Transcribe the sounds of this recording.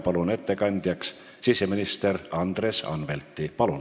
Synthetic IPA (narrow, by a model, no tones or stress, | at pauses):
pɑlune̞t̪ːe̞kɑnʲd̪̥ʲjɑks | sise̞minist̪e̞ɾɑnd̪̥re̞sɑ̰nve̞lt̪ːˑipɑlun